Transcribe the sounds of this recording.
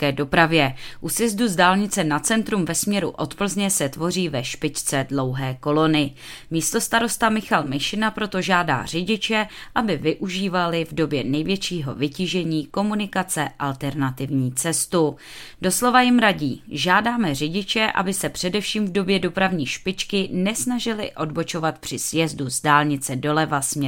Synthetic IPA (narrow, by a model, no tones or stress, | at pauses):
kɛdo̞pɾavjɛʔusjɛzduzdaːlɲɪt͡sɛnat̪t͡sɛnt̪ɾumvɛsmɲɛɾuʔo̞t̪pl̩zɲɛsɛt̪vo̞riːvɛʃpɪct͡sɛdlowɦɛːko̞lo̞nɪ | miːst̪o̞st̪aɾo̞st̪amɪxalmɪʃɪnapɾo̞t̪o̞ʒaːda̰ːr̝ɪɟɪt͡ʃɛʔabɪvɪʔuʒiːvalɪvdo̞bjɛnɛjvjɛt͡ʃiːɦo̞̰vɪciːʒɛɲiːko̞munɪkat͡sɛʔalt̪ɛɾnat̪ɪvɲiːt͡sɛst̪u | do̞slo̞vajɪmɾaɟiːʒaːdaːmɛr̝ɪɟɪt͡ʃɛʔa̰bɪsɛpr̝̥ɛdɛfʃiːmvdo̞bjɛdo̞pɾavɲiːʃpɪt͡ʃkɪnɛsnaʒɪlɪ̰ʔo̞dbo̞t͡ʃo̞vat̪pr̥ɪsjɛzduzdaːlɲɪt͡sɛdo̞lɛvasmɲɛ